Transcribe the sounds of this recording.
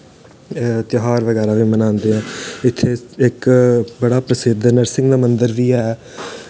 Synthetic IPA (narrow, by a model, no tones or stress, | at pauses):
t̪ɦaːɾʋəɡɛːɾaːʋiːmənãːnd̪eːɛ̃ːɪt̪ʰːeːɪkbəɽaːpɾəsɪd̪nəɾsɪŋɡd̪aːmənd̪əɾʋiːɛː